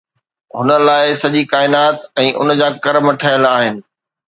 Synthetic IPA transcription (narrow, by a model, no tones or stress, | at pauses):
ɦʊnə̆laːɪsɐʄikaːɪnaːt̪ɛ̃ːʔʊ̰nd͡ʑaːkɐɾməʈʰəjəlaːɦɪnɪ̆